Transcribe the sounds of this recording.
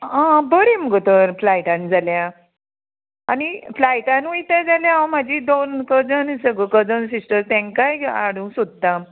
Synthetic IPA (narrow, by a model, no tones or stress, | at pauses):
ãbəɾiməɡət̪əɾflajʈãnd͡zalja | aniflajʈãnʋujt̪əd͡zaljãm̤ad͡ʑid̪onkəd͡zənsəɡəkəd͡zəns̬isʈəst̪ɛ̃ŋkaja̰ɽũːsud̪̚ːa